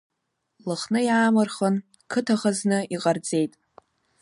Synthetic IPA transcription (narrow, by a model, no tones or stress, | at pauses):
lɨχnɨjaːmɨrχən | kʰɨtʰaχəznɨiqʼard͡ze̞jtʼ